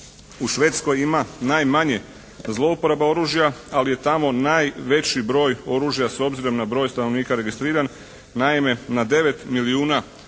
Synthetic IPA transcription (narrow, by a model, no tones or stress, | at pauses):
uʃʋe̞ːt̪sko̞jimanajmaɲe̞ | zlˠo̞upo̞ɾabao̞ɾuːʒjaalije̞t̪amo̞naːjʋe̞t͡ɕibɾo̞ːjo̞ɾuːʒjaso̞bziɾo̞mnabɾo̞ːjst̪ano̞ʋniːkaɾe̞ɡist̪ɾiːɾanː | aime̞nad̪e̞ʋe̞t̪miliuːna